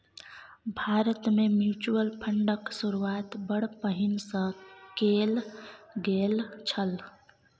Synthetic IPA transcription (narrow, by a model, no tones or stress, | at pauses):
bʱaɾət̪memjut͡ʃuəlpʰəɳɖəksuɾuat̪bəɽ̤pəɦinsə̃kelɡelt͡ʃʰəl